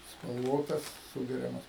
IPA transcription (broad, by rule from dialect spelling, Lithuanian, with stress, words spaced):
spɐlˠˈʋoːtɐs ˈsuːɡʲɛrʲɛmɐs